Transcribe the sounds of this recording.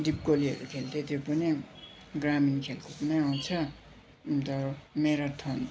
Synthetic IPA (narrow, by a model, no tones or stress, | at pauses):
d̪ip̚koliɦʌ̰ɾukʰelt̪et̪ipʌni | ɡraminkʰelkopʌnʌaw̃t͡sʰʌ | t̪ʌmeɾat̪ʰʌn